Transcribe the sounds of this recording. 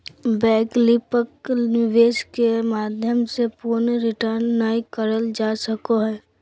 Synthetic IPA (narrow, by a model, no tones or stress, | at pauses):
bɛːklɪpəknɪʋeːskemaːd̪ʱjəmsepuɾnɾɪʈəɾnːaːikəɾəld͡ʒaːsəkoɦɛː